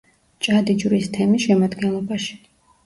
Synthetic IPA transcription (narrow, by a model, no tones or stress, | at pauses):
t͡ʃʼad̪id͡ʒɾist̪ʰɛmisʃɛmad̪ɡɛnlˠɔbaʃi̥